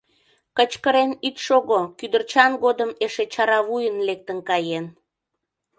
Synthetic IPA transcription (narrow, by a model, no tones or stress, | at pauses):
kət͡ɕkəɾenit̪ʃoɣokyd̪ərt͡ɕɑnɡod̪əmeʃet͡ɕɑɾɑβujənlek̚t̪ənkɑjen